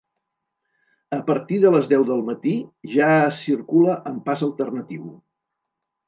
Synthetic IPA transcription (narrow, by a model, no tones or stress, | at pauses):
əpəɾt̪iðələzðɛwðəlˠmət̪iʒaːsiɾkuləʔəmpazəlˠt̪ərnət̪iw